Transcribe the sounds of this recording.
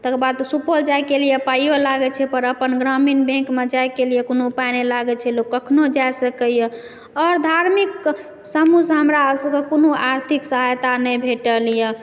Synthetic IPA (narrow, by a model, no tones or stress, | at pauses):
t̪əkbad̪supəld͡ʒajkelijepajolaɡɛt͡ʃʰɛpəɾəpənɡɾaminbẽkmed͡ʒajkelijekonopanelaɡɛt͡ʃʰɛlokːəkʰnod͡ʒajsəkəjə | ɔɾd̪ʱaɾmik | səmusɦəmɾasəɡekonoaɾt̪ʰiksəɦajt̪anəbʱeʈəlijə